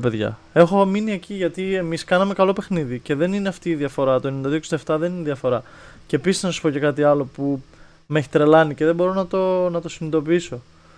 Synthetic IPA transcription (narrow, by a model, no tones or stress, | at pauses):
peðʝɐ̰ | e̞xo̞minie̞ciʝɐt̪ie̞miskɐnɐme̞kɐlo̞pe̞xniðice̞ðe̞nineɐft̪iːðiɐfo̞ɾɐt̪o̞end̪ɐðioksid̪ɐeft̪ɐðe̞nineðiɐfo̞ɾɐ | cepisiznɐsu̥po̞ce̞kɐt̪iɐlo̞pu | meçi̥t̪ɾe̞lɐnice̞ðe̞bo̞ɾo̞nɐt̪o̞nɐt̪o̞sinid̪o̞p̬iiso̞